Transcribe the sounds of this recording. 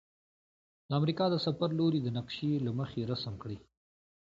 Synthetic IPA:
d̪əamɾikɑd̪əsafaɾloɾid̪ənaqʃelaməxeɾasəmkɽi

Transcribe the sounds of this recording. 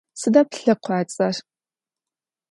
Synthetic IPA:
sɨdɐpɬɨqʷɑːt͡sʼɐr

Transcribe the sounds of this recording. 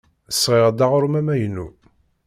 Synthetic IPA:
əsʁeʁd̪ɑʁʊɾmæmæjnːu

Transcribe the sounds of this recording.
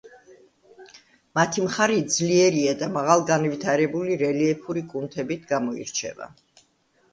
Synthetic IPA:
mat̪ʰimχaɾid̪zliɛɾiad̪amaʁalˠɡanvit̪ʰaɾɛbuliɾɛliɛpʰuɾikʼunt̪ʰɛbit̪ʰɡamɔḭɾt͡ʃʰɛ̰va̰

